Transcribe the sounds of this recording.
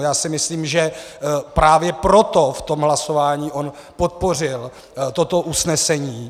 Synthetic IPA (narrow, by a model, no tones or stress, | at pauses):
jaːsɪmɪsliːmʒɛpɾaːvjɛpɾo̞t̪o̞ft̪o̞mɦlaso̞vaːɲiːʔon | po̞t̪̚po̞rɪl | t̪o̞t̪oʔusnɛsɛɲiː